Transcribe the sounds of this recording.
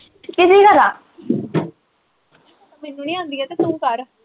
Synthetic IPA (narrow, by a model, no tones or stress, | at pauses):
kɪsiːkəɾaː | mɛnːũːniːãːnd̪iːɛːt̪eːt̪ũːkəɾ